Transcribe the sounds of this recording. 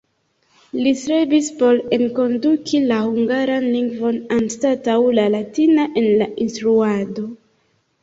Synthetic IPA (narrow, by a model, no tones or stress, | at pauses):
lisɾebispo̞ɾenko̞ndukʰilahuŋɡaɾanliŋɡvo̞nanstatawlalatinaʔe̞nlaʔinstɾuado̞